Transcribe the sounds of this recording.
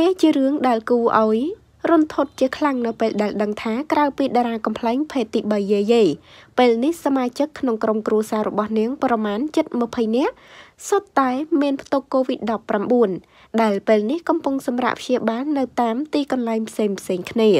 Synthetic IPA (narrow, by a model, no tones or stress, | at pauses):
keːt͡ɕiərɨəŋɗaɛlkuːʔa̰ɔj | runt̪ʰot̪̚t͡ɕiəkʰlaŋnɨwpeːlɗaɛlɗəŋt̪ʰaːkrawpiːɗaːɾaːkɑmpʰlaɛŋpʰeːt̪ːiːɓəjːiəjeːpeːlnihsamaːt͡ɕɨkʰːnoŋkromkruəsaːɾɔɓɑhniəŋprɑmaːnt͡ɕɨt̪̚mə̆əpʰəjnɛ̆əʔsot̪ːaɛmiənpʰt̪ukːoːʋit̪̚ɗɑpːramɓuən | ɗaɛlpeːlnihkɑmpuŋsɑmra̰ʔpʰɕiəɓaːlnɨwt̪aːmt̪iːkɑnlaɛŋpʰseːŋpʰseːŋkʰneː